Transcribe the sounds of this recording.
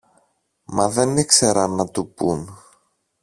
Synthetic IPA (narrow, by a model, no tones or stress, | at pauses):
mɐðe̞nikseɾɐnɐt̪upun